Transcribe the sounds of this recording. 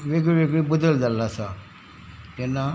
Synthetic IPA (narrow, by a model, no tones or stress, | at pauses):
ʋeɡɭiʋeɡɭibud̪əld͡zalːasa | t̪ɛnːa